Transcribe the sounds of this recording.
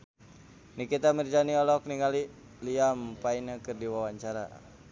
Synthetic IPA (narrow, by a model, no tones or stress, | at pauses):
nikit̪amird͡ʒaniɔlɔk̚niŋali | liampainakɨrdiwawaɲt͡ʃaɾa̰